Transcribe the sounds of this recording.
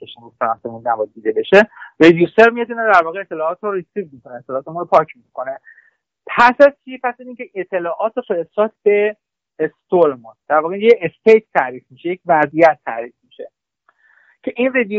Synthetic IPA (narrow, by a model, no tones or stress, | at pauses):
eʃemust̪eɾɒnsemũnnæbɒjd̪iːd̪e̞be̞ʃe̞re̞d̪juseɾmijɒt̪inod̪æɾvɒːɣeet̪ʰːelɒːt̪ɾoɾisivmiko̞neet̪ːelɒːt̪emunɾopʰɒːcʰmikʰo̞ne̞ | pʰæsæzt͡ʃʰiepʰæsæziːŋcʰeʔet̪ʰːe̞lɒːʔɒːt̪ofeɾesɒːt̪ʰbe̞ː | st̪oɾmund̪̥æɾvɒːɣejeest̪ejt̪ʰt̪ʰːæɾiːfmiʃejecʰvæzijæt̪ʰːæɾiːfmiʃe̞̰ | cʰe̞ʔinred̪ju